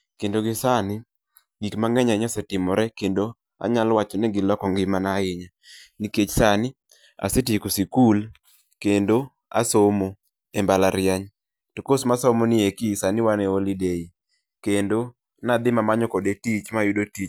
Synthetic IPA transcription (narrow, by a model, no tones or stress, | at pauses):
kendoɡɪsanɪ | ɡitmaŋɛɲaɲɔsɛtɪmɔɾɛkendo | a̰ɲalwat͡ʃɔnɛɡɪlɔkɔŋɡɪmanaɪɲa | niket͡ʃsanɪ | a̰setikosikul | kendo | a̰somo | embalaɾɪjaɲ | tokosmasɔmonɪekisanɪwanɛolidei | kendo | nad̪ɪmamaɲɔkodetit͡ʃmajʊdotit͡ʃ